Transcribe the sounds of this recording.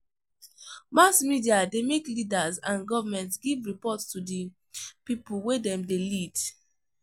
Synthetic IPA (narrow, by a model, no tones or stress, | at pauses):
masmidiademeklidazãnɡɔvamɛ̃ntsɡivɹipɔtstudi | pipulwedɛ̃mdelid̥